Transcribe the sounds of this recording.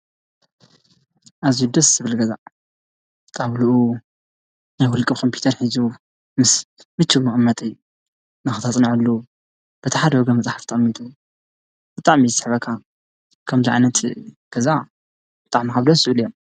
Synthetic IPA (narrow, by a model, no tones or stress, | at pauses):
ʔazijud̪ɐsz̥ɨβɨlɡɐza̰ | t̪ʼaβluʔu | najwʊlkʼɨβkʰompʰu̥t̪ʰɐɾħizu | mɨsmɨt͡ʃʰːɨβmɨxʼɨmːɐt̪ʼɨjːu | nɨxɨt̪ʰat͡sʼnɨʕɨlːu | b̥ɨt̪ʰiħad̪hoɡɐmɐt͡sʼaħaft̪ʰɐχʼɐmːit̪ʼu | b̥ɨt̪ʼaʕmizɨsɨħβɐkʰːa | kʰɐmziʕa̰jnɐt̪ | ɡ̥ɐza | b̥ɨt̪ʼa̰ʕmikaβd̪ɐsɨβɨljom